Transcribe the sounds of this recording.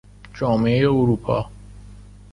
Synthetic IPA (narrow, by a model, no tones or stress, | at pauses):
d͡ʒɒːmeejeoɾuːpʰɒ̰ː